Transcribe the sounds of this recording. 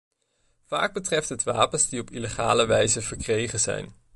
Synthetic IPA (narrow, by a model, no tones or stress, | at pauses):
v̥a̰ːɡ̚bətrɛftɦətʋaːpənzdiɔpileχa̰ːləʋɛjzəvəɹkrejχənzɛ̰jn